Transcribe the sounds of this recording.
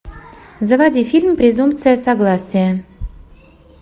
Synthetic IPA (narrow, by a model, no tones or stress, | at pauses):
zəvɑdʲifʲilʲmpɾʲezump̪t͡sɨjəsaɡlˠɑsʲijə